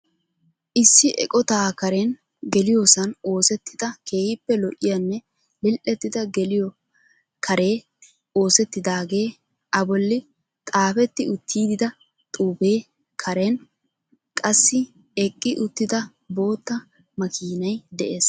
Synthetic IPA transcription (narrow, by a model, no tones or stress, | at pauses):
ʔɪsːɪʔɛ̰kʼɔt̪aːkɐɾɛn | ɡɛlɪjoːsɐno̞ːsɛt̪ːɪd̪ɐke̞ːhɪpːɛlɔʔɪjɐnːɛ | lɪlʔɛt̪ːɪd̪ɐɡɛlɪjɔ | kʰɐɾe̞ː | o̞ːsɛt̪ːɪd̪aːɡe̞ː | ʔɐbɔlːɪ | t̪ʼaːfɛt̪ːɪʊt̪ʰːiːd̪ɪd̪ɐ | t̪ʼuːbe̞ː | kʰɐɾɛn | kʼɐsːɪ | ɛkʼːɪʔʊt̪ːɪd̪ɐ | bo̞ːt̪ːɐ | mɐkiːnɐjd̪ɛʔeːs